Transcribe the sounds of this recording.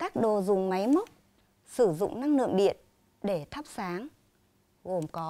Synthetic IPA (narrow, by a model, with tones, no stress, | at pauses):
kaː˦˥k̚ɗo˨˩zʊ˨˩ŋ͡mma˨˦jmo˦˥t̚ | sɨ˧˩zʊ̰˧˨ŋ͡mna˧ŋlɨ̰˧˨əŋɗḭ˧˨ən | ɗe˧˩t̪ʰə˦˥p̚saː˨˦ŋ | ɣo˨˩mkɔ˨˦